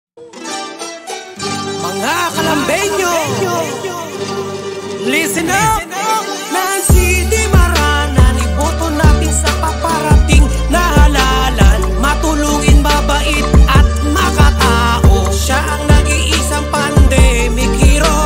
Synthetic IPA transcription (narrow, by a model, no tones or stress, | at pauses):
mɐŋakɐlɐmbɛɲo | lis | nɐsid̪ɪmɐɾaːnɐnɪpoːt̪onaːt̪ɪnsɐpɐpɐɾɐt̪ɪŋ | nɐhɐlaːlanmɐt̪ʊluɡɪnmɐbɐʔɪt̪̚ʔɐt̪̚mɐkɐt̪aːʔo | ʃaʔɐŋnɐɡiʔɪsaŋpɐnd̪ɛ | mɪkhɪɾo